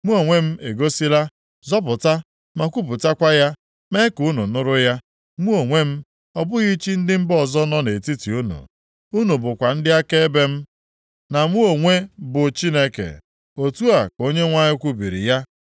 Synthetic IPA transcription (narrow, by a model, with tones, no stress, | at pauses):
mu˦o˨ŋʷe˦m̩˦e˨ɡo˦si˦ɾa˦ | zɔ˦pʊ˨ta˦ | ma˨kʷu˦pʊ˨ta˦kʷa˦ja˦ | me˦ku˦nu˨nʊ˦ɾʊ˦ja˦ | mu˦o˨ŋʷe˦m̩˦ | ɔ˦bʊ˦ɣi˦t͡ʃi˦n̩˦dɪ˦m̩˦bɔ˦˨zɔ˦nɔ˦ne˨ti˦ti˨u˦nṵ˨ | u˦nu˨bʊ˨kʷa˨n̩˦dɪ˦a˦ke˦e˦be˦m̩˦ | na˨mʷu˦o˨ŋʷe˦bʊ˨t͡ʃi˦ne˦kḛ˨ | o˨tu˦a˨ko˦ɲe˦ŋʷa˦ɲɪ˦kʷu˦bi˨ɾḭ˨ja˦